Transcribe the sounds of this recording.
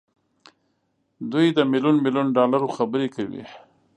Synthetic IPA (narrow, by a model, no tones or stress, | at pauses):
d̪ujd̪əmiljunmiljunɖɑlaɾoxabəɾekawḭ